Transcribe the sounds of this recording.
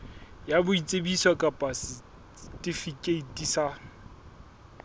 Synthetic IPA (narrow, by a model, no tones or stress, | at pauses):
jabʊit͡sʼebisakʼapʼasɪ | tʼifikʼeitʼisa